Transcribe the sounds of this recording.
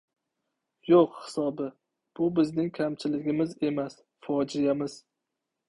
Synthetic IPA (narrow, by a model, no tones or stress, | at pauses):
joqhɪ̥sɒbɪ | b̥ʊbɪznɪŋkʲʰamt͡ʃʰɪlɪɡʲɪmɪze̞mas | fɒd͡ʒɪjamɪz̥